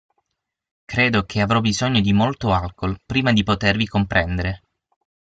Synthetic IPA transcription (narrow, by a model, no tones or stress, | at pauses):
kɾeːd̪ok̟ʰeavɾɔbizoɲːod̪imolt̪oalkolpɾiːmad̪ipot̪ervikompɾɛnd̪eɾe